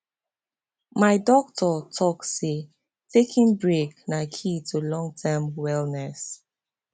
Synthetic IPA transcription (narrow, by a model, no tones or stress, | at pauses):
maɪdɔk̚tʰɔtʰɔk̚se | tʰekʰĩŋbɹeknakʰitʰulɔ̃ŋtʰɛmwɛlnɛs